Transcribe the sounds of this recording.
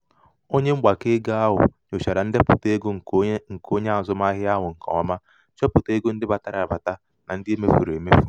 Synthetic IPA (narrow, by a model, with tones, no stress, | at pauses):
o˦ɲe˦ŋ͡m̩˦ɡ͡ba˨ke˦ɡa˦a˦ɦʊ̰˨ɲo˨ʃa˨ɾa˨n̩˦dɪ˦pʊ˨te˦ɡo˦ŋ̩˨ŋ̩˨kʰo˦ɲe˦a˨zʊ˦ma˦ɦɪ˦a˦ɦʊ˨ŋ̩˨kɔ̰˨ɔ˦ma˦ | t͡ʃɔ˦pʊ˨te˦ɡo˦n̩˦dɪ˦ba˨ta˦ɾa˨a˨ba˨ta˦ | na˨n̩˦dɪ˦e˦me˦fu˨ɾe˨me˦fu˨